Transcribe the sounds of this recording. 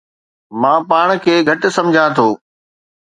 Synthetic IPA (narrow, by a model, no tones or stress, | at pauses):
mãːpaːɽ̃kʰeːɡʱɐʈsɐ̃md͡ʑʱãt̪ʰoː